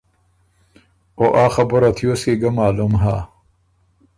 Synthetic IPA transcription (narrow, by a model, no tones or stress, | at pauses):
oʔaːxɐboɾɐt̪ʰjoseɡɐmaːlumɦaː